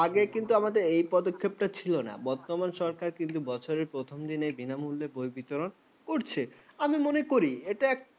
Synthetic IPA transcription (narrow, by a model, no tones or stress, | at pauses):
aɡekint̪uamad̪eɾejpɔd̪okʰːeb̚ʈat͡ɕʰilona̰bɔɾt̪omanʃɔɾkaɾkint̪ubɔt͡ɕʰoɾeɾpɾot̪ʰomd̪inebinamulːebojbit̪oɾon | koɾt͡ɕʰeamimonekoɾieʈaɛk̚